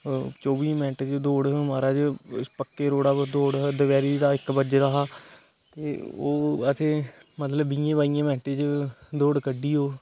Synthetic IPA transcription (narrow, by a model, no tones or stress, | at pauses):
t͡ʃɔːbiːmɛ̃ːʈːd͡ʒd̪oːɽmaːɾaːd͡ʒspəkːeːɾoːɽaːd̪oːɽd̪əʋɛːɾiːd͡ʒd̪aːɪkbəd͡ʒd̪aːɦaː | t̪eːo̰ːət̪ʰẽːmət̪ləbːijẽːbaːijãːmɛ̃ːʈed͡ʒd̪oːɽkəɖːiːɦoː